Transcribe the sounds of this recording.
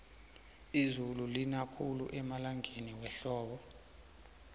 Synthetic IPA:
izululinakʰuluʔɛmalaŋʱeniwɛɬɔːɓɔ

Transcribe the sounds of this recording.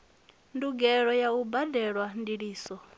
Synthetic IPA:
nduɡɛɺɔjaubadɛɺwandiɺiːsɔ

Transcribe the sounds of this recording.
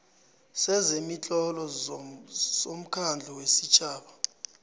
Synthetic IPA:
sɛzemit͡ɬʼɔlɔ | zom̩kʰand͡ɮʱɔwesit͡ʃʰʼaːɓa

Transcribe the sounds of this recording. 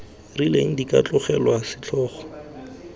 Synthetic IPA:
rileŋ̩dikʼa̰t͡ɬʼʊχɛlwasɪt͡ɬʰɔːχɔ̥

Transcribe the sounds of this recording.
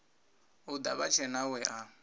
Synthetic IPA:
ud̪a̰βat͡ʃʰɛnawɛʔa

